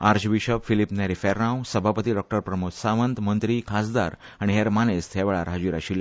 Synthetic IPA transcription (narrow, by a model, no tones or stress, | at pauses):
aɾd͡ʑʋiɕəʋfilipnaɾifɛɾnãwsəbʱapət̪iːɖɔk̚ʈəɾpɾəmusaʋənt̪mənt̪ɾikʰasd̪a̰ɾ | aɽ̃iɦeɾmanest̪ʰjɛʋɭaɾɦad͡ʑiːɾaɕila